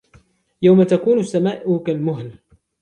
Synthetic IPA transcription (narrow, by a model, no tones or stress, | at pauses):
jawmat̪akuːnʊsːamaːʔʊkalmʊɦl